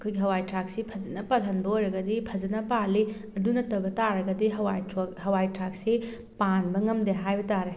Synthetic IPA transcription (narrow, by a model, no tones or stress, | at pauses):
kʰojɡiɦɐwajtɾak̚sipʰɐzɐnɐpalɐnbɐojɾɐɡɐdipʰɐzɐnɐpalːiɐdunɐtɐbɐtaɾɐɡɐdiɦɐwɦɐwajtɾak̚se | panbɐŋɐmdeɦajbɐtaɾe